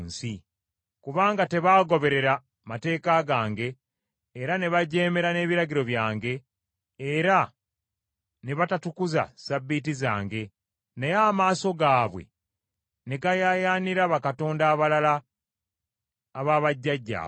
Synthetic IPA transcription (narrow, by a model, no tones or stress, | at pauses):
nsi | kuβaːŋɡate̞βaːɡo̞βe̞ɾe̞ɾa | mate̞ːkaɡaːŋɡe̞ː | ɾane̞βaɟe̞ːme̞ɾane̞ːβiɾaɟiɾo̞βjaːŋɡe̞ː | ɾa | ne̞βatatukuza̰sabːit̬iza̰ːŋɡe̞ | nejaːmaːso̞ɡaːβwe̞̰ | ne̞ɡajajaːniɾaβakato̞ːndaːβalala | βaːβaɟːaɟːa̰